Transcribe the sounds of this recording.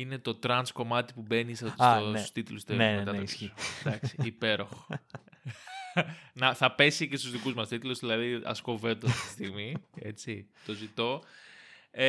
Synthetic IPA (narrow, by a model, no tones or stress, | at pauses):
ine̞t̪o̞t̪ɾɐnsko̞mɐt̪i̥pube̞nisɐt̪osu̥st̪it̪lust̪emet̪ɐt̪ɐsd̪ɐksiːpe̞ɾoxo̥ | nɐθɐpe̞sice̞st̪uzðikuzmɐst̪it̪uluzðilɐðiɐ̰sko̞ve̞t̪oɐft̪i̥t̪i̥st̪iɣmie̞̰t͡sit̪o̞zit̪o̞ | e